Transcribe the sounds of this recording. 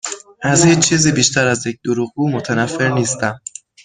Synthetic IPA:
ʔæzjet͡ʃʰːiːziːbiːʃt̪ʰæɾæzjec̚d̪̥oɾuɣɡuːmot̪ʰænæfːe̞ɾniːst̪æm

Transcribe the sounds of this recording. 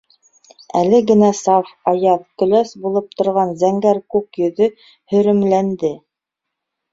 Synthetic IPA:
ælɘɡɘ̆næsɑfɑjɑt̚kɵ̆læsbulˠɤp̚t̪ŏɾʁɑnzæŋɡæɾkukjɵ̆ðɵ | hɵ̆ɾɘ̆mlænd̪ɘ

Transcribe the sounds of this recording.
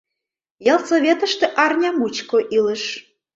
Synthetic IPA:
jɑlˠsoβʲet̪ə̆ʃt̪ĕʔɑrnʲɑmut͡ɕkoʔilə̆ʃ

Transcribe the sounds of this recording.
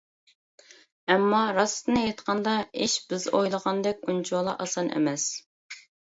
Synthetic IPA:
ɛmːɑɾɑst̪ɨnɨjet̪qʰɑnd̪ɑiʃbɪzojlˠəʁɑnd̪ɛk̚ʲunt͡ʃʰolˠɑʔɑsɑnʔḛmɛs

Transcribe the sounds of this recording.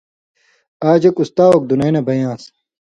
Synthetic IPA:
aːd͡ʑɐkust̪aːwɐk̚d̪unɐjnɐbɐjãːs

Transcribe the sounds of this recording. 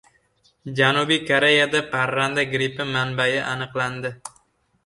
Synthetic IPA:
d͡ʒanubijkʰoɾejad̪apʰaɾːand̪aɡɾipɪmanbajɪʔanɨqlˠand̪ɪ

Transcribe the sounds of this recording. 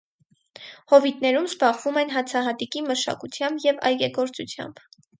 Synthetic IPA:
hɔvit̪nɛɾumzbɑʁvumɛnɦɑt͡sʰɑɦɑt̪ikiməʃɑ̰kut͡sʰjɑmbjɛvɑ̰jɡɛɡɔɾt͡sut͡sʰjɑ̰mb̥

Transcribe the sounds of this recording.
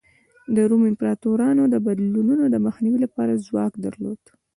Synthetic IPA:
d̪əɾumɪmpɾɑt̪oɾɑnod̪əbad̪lununod̪əməxniwilapɑɾazwɑkd̪ə̰ɾlo̰d̪̥

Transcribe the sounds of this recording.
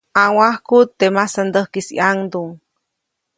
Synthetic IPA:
awahkut̪ːemasand̪əhkisḭʔaŋd̪uŋ

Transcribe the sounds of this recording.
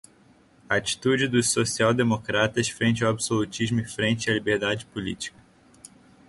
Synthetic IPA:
at͡ʃi̥t̪ud͡ʒɪd̪ʊssosiawd̪emokɾat̪ɐsfɾẽnt͡ʃɪɐwabisolut͡ʃizmʊɪfɾẽnt͡ʃɪɐlibeɾd̪ad͡ʒɪpulḭt͡ʃi̥kɐ

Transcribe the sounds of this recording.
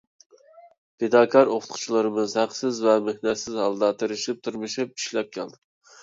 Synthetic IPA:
ped̪ɑːkʰɑɾoqʰʊ̥t̪qʰʊ̥t͡ʃʰlˠɨɾɨmɨzhæqsɪzvɛmehnɛt̪sɪzhɑlˠd̪ɑt̪ʰeɾɪʃip̚t̪ʰuɾmɨʃip̚iʃlɛp̚kʲʰɛlˠd̪ɪ

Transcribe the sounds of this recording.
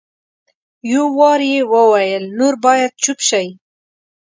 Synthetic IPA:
jowɑɾjewəwajəlnoɾbɑjad̪̚t͡ʃupʃaj

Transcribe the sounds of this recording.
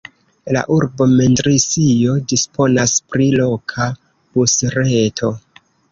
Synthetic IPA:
la̰ʔuɾbo̞mentɾisijo̞dispʰo̞naspɾilo̞kʰa | b̥usɾetʰo̞

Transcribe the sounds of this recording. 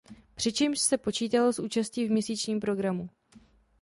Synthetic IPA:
pr̝̥ɪt͡ʃɛmʃsɛpo̞t͡ʃiːt̪alosʔuːt͡ʃasciːvmɲɛsiːt͡ʃɲiːmpɾo̞ɡɾamu

